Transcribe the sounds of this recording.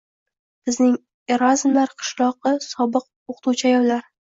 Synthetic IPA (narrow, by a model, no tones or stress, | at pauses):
b̥ɪznɪŋ | e̞ɾazmlaɾqʰɨ̥ʃlˠɒqɨsɒbɨq̚ | oqʰt̪uwt͡ʃʰajɒwlaɾ